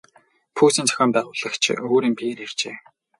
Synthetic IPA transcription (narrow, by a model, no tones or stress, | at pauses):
pʰuːsiːnt͡sʰḁxʲaːmpæːʁʊːɮə̆kt͡ɕʰoːɾiːmpijenert͡ɕeː